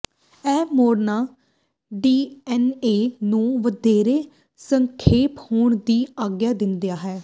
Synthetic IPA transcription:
ɛːmoːɾnaː | ɖiːɛːneːnũːʋəd̪eːɾeː | səŋkʰeːphoːɳd̪iːaːɡjaːd̪ɪnd̪ejaːɦɛː

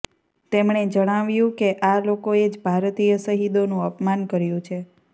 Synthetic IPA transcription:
t̪emɳed͡ʒəɽ̃aʋjũkeʔalokoed͡ʒbʱaɾt̪ijəsəɦid̪onũəpmankəɾjũt͡ʃʰe

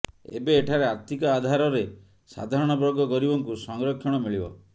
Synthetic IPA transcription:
ḛbeːʈʰaɾeaɾt̪ikɔːd̪ʱaɾɔɾe | sa̰d̪ʱaɾɔɽ̃ɔbɾɔɡɔkɔɾibɔŋkusɔŋɾɔkʰːjɔɽ̃ɔmiɭibɔ̰

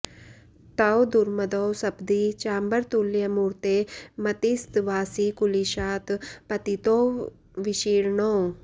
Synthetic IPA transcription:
t̪ɐwd̪uɾmɐd̪oːsɐbd̪it͡ʃaːmbɐɾt̪uljɐmuɾt̪eːmɐt̪ist̪ʋaːsikuliʃaːt̪pɐt̪it̪oː | ʋiʃiːɾɳoː

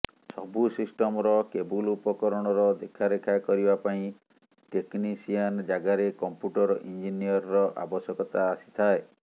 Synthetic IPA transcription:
sɔbusisʈɔmɔɾɔkebulupɔkɔɾɔɽ̃ɔɾɔd̪ekʰaɾekʰakɔɾibapaĩ | ʈeknisiand͡ʒaɡaɾekɔmpjuʈɔɾɔʔind͡ʒiniɔɾɔɾɔʔa̰bɔsjɔkɔt̪aːsi̥t̪ʰae

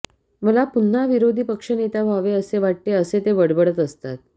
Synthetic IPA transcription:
məlapun̤ːaʋiɾod̪ʱiːpəkʂənet̪abʱaʋeəseʋaʈ̚t̪eəset̪eʋəɽbəɽət̪əst̪at̪̚

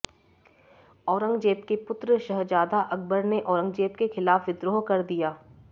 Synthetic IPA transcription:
ɔːɾə̃ŋɡd͡ʒeːp̚kepʊt̪ɾəʃɐɦd͡ʒaːd̪aʔɐk̚bəɾneʔɔːɾə̃ŋɡd͡ʒeːpkexɪlaːfʋɪd̪ɾoːkɐɾd̪ijaː

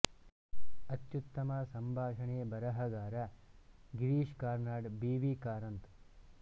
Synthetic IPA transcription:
ɐt̪jut̪ːɐmɐsɐmbʱaːʂɐɳeːbɐɾɐɦɐɡaːɾɐ | ɡiɾiːʂkaːɾnaːɖbiːʋiːkaːɾɐnt̪

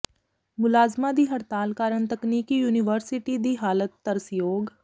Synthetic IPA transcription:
mʊlaːzmãd̪iːɦəɾt̪aːlkaːɾəɳt̪əkniːkijuːnɪʋəɾsɪʈid̪iːɦaːlət̪ːəɾəsjoːɡ

